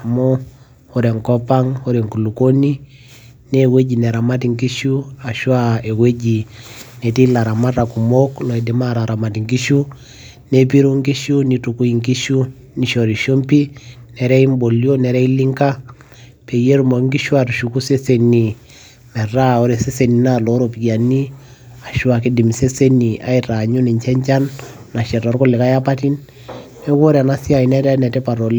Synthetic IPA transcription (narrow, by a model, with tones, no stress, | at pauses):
a˨mɔ˦ | hɔ˨ɾɛ˨ŋkɔ˦pa˦ŋɔ˦ɾɛ˨ŋku˨lu˨ko˦ni˦ | ne˦we˦ɟi˨nɛ˨ɾa˨ma˦ti˨ŋɡi˦ʃu˦a˨ʃwa˦e˨we˦ɟi˨nɛ˨ti˦la˨ɾa˨ma˦ɾa˨ku˨mo˦klɔ˨ɛ˨di˨ma˦ɾa˨ɾa˨ma˨ti˨ŋɡi˦ʃu˦ | ne˦p̬i˦ɾu˦ŋɡi˦ʃu˦ni˨tu˨ku˦i˨ŋɡi˦ʃu˦ | ni˨ʃo˨ɾi˨ʃo˦mpi˦nɛ˨ɾɛ˦i˦mbo˨ljo˦nɛ˨ɾɛ˦i˦li˦ŋka˦ | pe˨je˦ɾu˨mɔ˨˦ŋɡi˦ʃwa˨tu˨ʃu˨ku˦se˦se˨ni˨ | mɛ˨ɾa˦˨ɔ˦ɾe˨se˦se˨ni˨na˦lo˨˦ɾo˨pi˨kja˨ni˦ | a˨ʃu˦a˨k̬i˦di˨m˨se˦se˦ni˨a̰˦i˨ta˨ɲu˦ni˨ɲt͡ʃɛ˦ɲt͡ʃa˦nː | a˨ʃɛ˨ta˨ɾko˦lɛ˨ka˦ja˦pa˦ti˦n | nɛ˦ko˦ɾa˨na˦si˦a˨i˨nɛ˦ɾa˦nɛ˨tɛ˦pa˨ɾo˨l